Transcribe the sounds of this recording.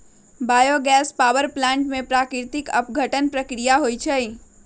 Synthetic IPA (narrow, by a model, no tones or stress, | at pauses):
baːjoɡɛːspaːwəɾplɛ̃ːɳʈmẽpɾaːkɾt̪ɪkə̰pɡʱəʈənpɾəkɾijaɦoit͡ʃʰɛi